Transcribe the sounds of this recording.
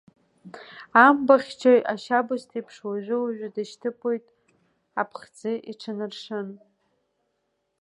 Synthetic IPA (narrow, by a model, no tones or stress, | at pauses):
ambaχʲt͡ʃʰajaʃabɨstʰipʰʂwaʒʷʊwaʒʷᶣadaʃtʰɨpʼojtʼ | apʰχʲd͡zɨʔiʈ͡ʂʰanɨrʂɨn